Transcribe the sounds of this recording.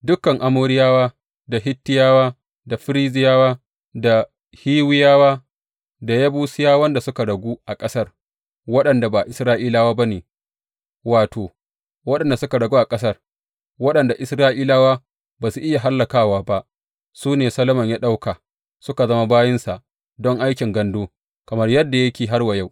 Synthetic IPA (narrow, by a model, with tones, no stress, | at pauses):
dʊ˦kːɐ˨ŋʔa˨moː˦ɽɪ˦jaː˦waː˦ | da˨ɦɪ˦tːɪ˦jaː˦waː˦ | da˨ɸɪ˦ɾi˦zɪ˦jaː˦waː˦ | da˨ | hiː˦wɪ˦jaː˦waː˦ | da˨jɐ˦buː˦sɪ˦jaː˦wɐ˦nda˨sʊ˦ka˨ɽɐ˨ɡʷuː˦ʔa˨kʼɐ˦sɐ˦r | wɐ˦ɗɐ˨nda˨ba˨ʔɪ˨sɾaː˦ʔiː˦laː˦waː˦ba˦neː˨ | waː˨toː˨ | wɐ˦ɗɐ˨nda˨sʊ˦ka˨ɽɐ˨ɡuː˦ʔa˨kʼɐ˦sɐ˦r | wɐ˦ɗɐ˨nda˨ʔɪ˨sɾaː˦ʔiː˦laː˦waː˦ | baː˨su˦ʔɪ˦ja˨ɦa˦lːɐ˨kaː˦waː˦ba˦ʔ | suː˦neː˨sɐ˦lɐ˦mɐ˨ɲjaː˦ɗa˦wka˨ | sʊ˦ka˨zɐ˦ma˦baː˦jɪ˦nsa˨ | dɔ˦ŋʔa˦jkʲɪ˨ŋɡɐ˦ndoː˦ | kɐ˨mɐ˦rjɐ˦dːa˨jɐ˦kʲeː˨ɦa˦rwa˨ja˦˨w